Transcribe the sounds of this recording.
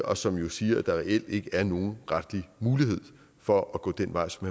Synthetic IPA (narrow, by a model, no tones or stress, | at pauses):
ɒ̽sɒ̽mjo̝siːɐd̥ɑ̈ʁɛel̰d̥e̝ɡ̥əæɐno̝ːn̩ʁad̥limuːlihe̝ð̰ˠ | fɒ̽ɒɡ̥ɔ̰ːd̥enʋɑ̈ɪ̰sɒ̽mhæ